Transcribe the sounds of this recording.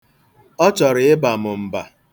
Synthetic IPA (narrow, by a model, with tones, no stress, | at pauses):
ɔ˦t͡ʃɔ˨ɾɪ˨ɪ˦ba˨mʊ˨m̩˨ba˨